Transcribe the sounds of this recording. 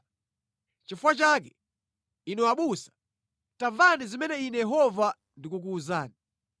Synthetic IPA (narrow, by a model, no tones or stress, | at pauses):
t͡ʃifuwat͡ʃakɛ | inɛwaɓusḁ | tavanizimɛnɛinɛjɛɦɔva | ndikuk̬uːzaːni